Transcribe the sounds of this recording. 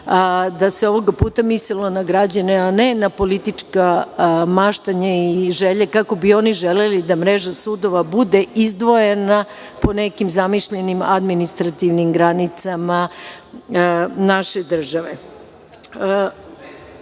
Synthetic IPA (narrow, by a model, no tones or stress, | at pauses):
d̪aseo̞ʋo̞ɡapuːt̪amislilo̞naɡɾad͡ʑaneanenapo̞lit̪it͡ʂkamaʃt̪aɲaiʒeʎekako̞bio̞niʒelelid̪amɾeʒasud̪o̞ʋabud̪eizd̪ʋo̞jena | po̞nekimzamiʃʎenimad̪minist̪ɾat̪iʋnimɡɾanit̪sama | naʃe̞d̪r̩ʒaʋe